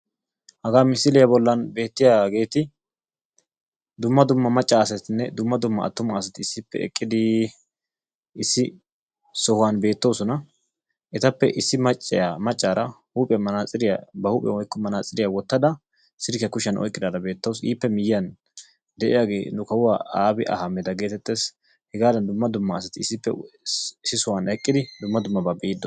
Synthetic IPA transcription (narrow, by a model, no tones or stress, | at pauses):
hɐɡaːmɪsːɪlɪjɐbɔlːɐnbe̞ːt̪ːɪjaɡe̞ːt̪ɪ | d̪ʊmːɐd̪ʊmːɐmɐt͡ʃʼːaːɐsɛt̪ɪnːɛd̪ʊmːɐd̪ʊmːɐ̰ʔɐ̰t̪ːʊmɐːsɐt̪ɪɪsːɪpːɛ̰ɛ̰kʼːɪd̪ɪ | ɪsːɪ | sɔhʊwanbe̞ːt̪ːo̞ːsɔnɐ | ʔɛt̪ɐpːɛʔɪsːɪmɐt͡ʃʼːɪjamɐt͡ʃʼːaːɾɐhuːpʼɛmɐnaːt͡sʼɪɾɪjabɐhuːpʼɛ̰wɔjkːɔmɐnaːt͡sʼɪɾɪjawɔt̪ːɐd̪ɐ | sɪɾkjɐkʊʃɐnʔɔ̰jkʼːɪd̪aːd̪ɐbe̞ːt̪ːɐwsiːpːɛmɪjːɐn | d̪ɛʔɪjaːɡe̞ːnʊkɐwʊwaːʔaːbɪʔɐ̰hɐmːɛd̪ɐɡe̞ːt̪ɛt̪ːe̞ːs | hɛɡaːd̪ɐnd̪ʊmːɐd̪ʊmːɐːsɐt̪ɪɪsːɪpːɛ̰ | sːɪsɔwanɛkʼːɪd̪ɪd̪ʊmːɐd̪ʊmːɐbɐbɛʔɪd̪ːɔ